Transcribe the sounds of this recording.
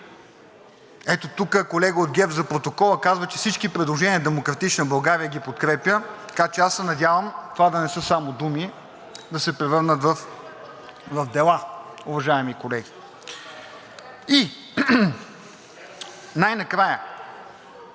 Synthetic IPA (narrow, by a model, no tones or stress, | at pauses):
ɛt̪ot̪ukəkolɛɡəod̪̚ɡʲɛfzɐpɾot̪okɔlˠəkazvət͡ʃɛfsit͡ʃkipɾɛd̪lˠoʒɛniəd̪ɛmokɾɐt̪it͡ʃnɐbɐlˠɡaɾiəɡʲipot̪̚kɾɛpjət̪ɐkat͡ʃɛasːɛnɐd̪ʲjavəmt̪vad̪ɐnɛsɤsamod̪umi | d̪ɐsɛpɾɛvɤɾnət̪vɐf | vɐvd̪ɛlˠaʊvɐʒaɛmikolɛɡʲi | i | najnɐkɾajə